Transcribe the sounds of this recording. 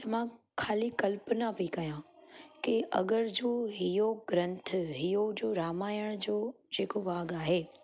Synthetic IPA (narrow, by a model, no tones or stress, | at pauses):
t̪ɐmã | kʰaːlikɐlpnapikɐjãkeʔɐ̰ɠəɾd͡ʑoːɦijoɡɾɐ̃nt̪ʰɦijod͡ʑoːɾaːmaːjəɽ̃d͡ʑoː | d͡ʑeːkobaːɡaːɦeː